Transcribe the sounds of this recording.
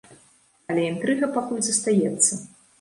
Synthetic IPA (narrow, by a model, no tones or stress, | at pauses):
ɐlʲɛint̪ɾɨɣɐpakulʲzɐst̪ajɛt̪sːɐ